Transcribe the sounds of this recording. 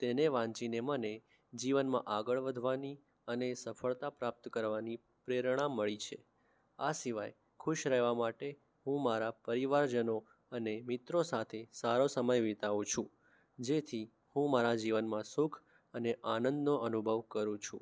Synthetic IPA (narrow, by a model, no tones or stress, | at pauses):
t̪eneʋãɲt͡ʃineməne | d͡ʒiʋənmã̰ʔaɡəɭʋəd̪ʱʋani | ənesəfəɭt̪apɾap̚t̪əkəɾʋani | pɾeɾəɽ̃ãmːəɭit͡ʃʰḛ | a̰siʋaj | kʰuʃɾɛɦʋamaʈe | ɦũmaɾapəɾiʋaɾd͡ʒəno | ənemɪt̪ɾosat̪ʰesaɾosəməjʋit̪aʋũt͡ʃʰũ | d͡ʒet̪ʰi | hũmaɾad͡ʒiʋənmãsukʰ | əneʔanə̃nd̪noʔənubʱəʋkəɾũt͡ʃʰṵ̃